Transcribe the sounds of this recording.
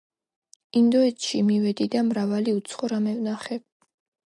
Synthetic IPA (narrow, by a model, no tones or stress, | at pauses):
ind̪ɔɛt̪ʃimivɛd̪id̪amɾavaliut̪sʰχɔɾamɛvnaχɛ